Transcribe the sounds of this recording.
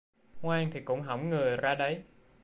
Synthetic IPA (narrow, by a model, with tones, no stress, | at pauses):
ŋwaː˧ŋt̪ʰi˨˩kʊ̰˧˥ŋ͡mɦə̰˧˩wŋ͡mŋɨ˨˩əjzaː˧ɗə˨˦j